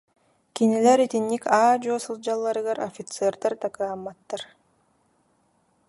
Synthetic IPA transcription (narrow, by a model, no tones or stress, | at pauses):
kinilʲɛɾit̪inːikaːd͡ʑoːsɯlˠd͡ʑalˠːaɾɯɣaɾɔfʲit̪sɛːɾd̪aɾt̪akɯamːat̪ːaɾ